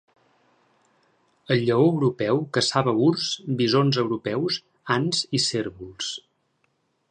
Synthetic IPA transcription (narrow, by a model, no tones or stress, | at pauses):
əʎːəoəwɾupɛwkəsaβəuɾsbizonzəwɾupɛws | anziseɾβulˠs